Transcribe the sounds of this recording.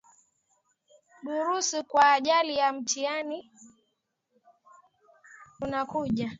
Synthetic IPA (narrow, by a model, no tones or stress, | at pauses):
ɗuɾusikwaːʄalijam̩tiani | unakuʄa